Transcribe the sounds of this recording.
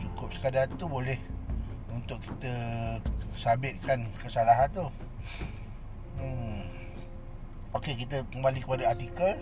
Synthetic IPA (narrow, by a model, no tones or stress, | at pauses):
t͡ʃukʊp̚sə̥kadart̪ubolɛh | unt̪ʊkːi̥t̪ə | sabɪt̪̚kʰankəsalaɦant̪u | okek̬it̪əkəmbalikəpadaat̪ikəl